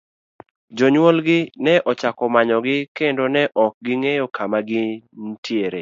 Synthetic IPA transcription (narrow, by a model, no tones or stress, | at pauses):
d͡ʒoɲwolɡɪnɛʔɔt͡ʃakɔmaɲɔɡɪkendonɛʔɔk̚ɡɪŋejɔkʰamaɡɪn̩tjeɾe